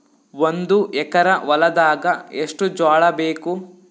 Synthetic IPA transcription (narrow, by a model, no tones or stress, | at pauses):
ʋond̪uʔɛkɐɾɐʋɐlɐd̪aːɡɐeʂʈud͡ʒaːɭɐbeːku